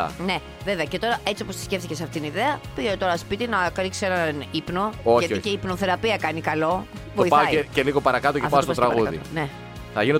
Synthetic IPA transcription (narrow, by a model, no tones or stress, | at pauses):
ɐ̰ne̞ | ve̞veɐce̞t̪o̞ɾɐʔe̞t͡sio̞post̪i̥sce̞fθice̞sɐft̪it̪iniðe̞ɐpiʝeot̪o̞ɾɐspit̪inɐkɾiksienɐnipno̞oçʝɐticeipnoθe̞ɾɐpiɐkɐnikɐlo̞ | voiɐoeceliɣo̞pɐɾɐkɐt̪ocepɐsst̪ost̪ɾɐɣɐɣuɐðḭne | θɐ̰ʝino